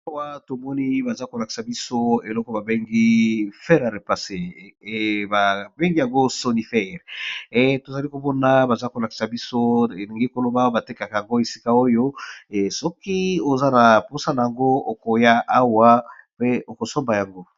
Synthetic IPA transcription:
a˦wa˦to˨mɔ˦ni˦ba˨za˦ko˨la˨ki̥˨sa˨bi˦so˦e˨lɔ˦kɔ˦ba˨be˦ŋɡi˦fɛ˦ʁa˨ʁe˨pa˨se˨ | ba˨be˦ŋɡi˦ja˨ŋɡo˦so˦ni˨fɛ˦˨ʁe˨to˨za˨li˦ko˨bɔ˦na˦ba˨za˦ko˨la˨ki̥˨sa˨bi˦so˦e˨ni˨ŋɡe˦ko˨lo˦ba˦ba˨te˦ka˨ka˨ja˨ŋɡo˦e˨si˦ka˦o˦jo˦˨sɔ˦ki˦o˨za˦na˨po˦sa˦na˨ja˨ŋɡo˦o˨ko˨ja˦ʔa˦wa˦pe˦o˨ko˨sɔ˦mba˨ja˨ŋɡo˦

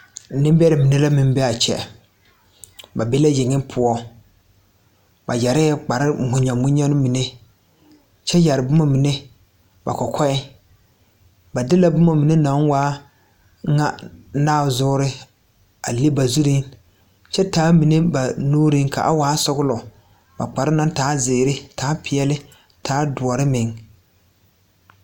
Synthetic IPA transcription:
nɪ˦mbɛ˦ɾɪ˨mi˨ne˦la˦mɪ̃˨m˦bɛ˦a˨t͡ʃɛ̰˨ | ba˨bɪ˦la˦jɪ˨ŋɪ˦pʰʊ˦ɔ˦ | ba˨ja˨ɾɪ˦˨k͡pa˨ɾɪ˦mʊ˨ɲɔ˨mʊ˦ɲɛ˦nʊ˦mi˨ne˦ | t͡ʃɛ˦ja˨ɾɪ˨bʊ˦ma˨mi˨ne˦ | ba̰˨kɔ˨kʰɔ˦ɪ˦ | ba˨dɪ˦la˦bʊ˦ma˨mi˨ne˦nã˨˦ŋwaː˦ | ŋa̰˦naː˦˨zʊː˦ɾɪ˦ | a̰˨le˦ba˨zu˦ɾi˦ŋ | t͡ʃɛ˦taː˨˦mi˨ne˦ba˨nuː˦ɾɪ˦ŋkʰa̰˨ʔa˦waː˨˦sʊ˦ɡʊ˦lɔ˨ | ba̰˨k͡pa˨ɾɪ˦na˦n˦taː˨˦zɪ˨ɪ˨ɾɪ˦tʰaː˦pɪ˨ɛ˦lɪ˦ | tʰaː˨˦dʊ˨ɔ˨ɾɪ˦mɪ˨ŋ

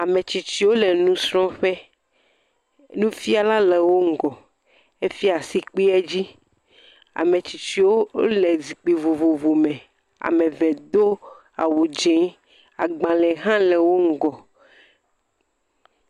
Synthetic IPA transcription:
a˨mẽ˨t͡ɕi˨t͡ʃi˦wo˦le˨nũ˦sɾɔ̃˦ɸɛ˦ | nũ˦fi˦a˨la˦lɛ˨wo˦ŋ̩˨ɡɔ˨ | e˦fi˦a˨si˨k͡pi˦ɛ˦d͡ʑi˦ | a̰˨mẽ˨t͡ɕi˨t͡ɕi˨wo˦o̰˦le˨zi˨k͡pi˨vo˨vo˨vo˨mɛ̃˨ | a̰˨mẽ˨vɛ˨d̪o˦ | a̰˨wu˨d͡ʒẽ˨˦ | a̰˨ɡ͡bã˨lɛ˨ɦã˦lɛ˨wo˦ŋ̩˦˨ɡɔ˨

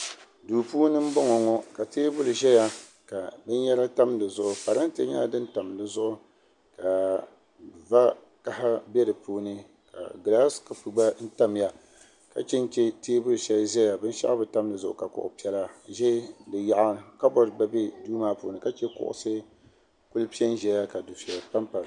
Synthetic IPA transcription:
duː˨puː˦nɨ˦m̩˦bɔ˦ŋɔ˨ŋɔ˦ka˨teː˦bʊ˦lɨ˨ʒɛ˦ja˨ | ka˨bɨ˦n˦jɛ˦la˦ta˦mdɨ˨zʊ˨ʔʊ˨pa˨ɾa˦n˦te˦ɲa˦˨dɨ˦n˦ta˨mdɨ˨zʊ˦ʔʊ˦ | ka˨ | va˦ | ka˦ha˦bɛ˦dɨ˨puː˦nɨ˦ | ka̰˨ɡla˦skɨ˨pu˨ɡ͡ba˦n̩˦ta˦mja˨ | ka̰˨t͡ʃɛ˦n˦t͡ʃɛ˦teː˦bʊ˦lʃɛ˦lʒɛ˦ja˨bɨ˦n˦ʃa̰˦ʔbɨ˨ta˦m˦dɨ˨zʊ˨ʔʊ̰˨ka˨kʊ̰˨ʔʊ̰˨pi˦ɛ˦la˦ʒɛ˦dɨ˨ja˨ʔa˦ka˦bɔ˦ɾba˦bɛ˦duː˦maː˦pṵː˨nɨ˦ka˦t͡ʃɛ˦kʊ̰˦ʔʊ̰˨sɨ˦ | ku˦lpi˦ɛ˦n˦ʒɛ˨˦ja˦ka˨dʊ˨fa˨pa˦mpa˨l

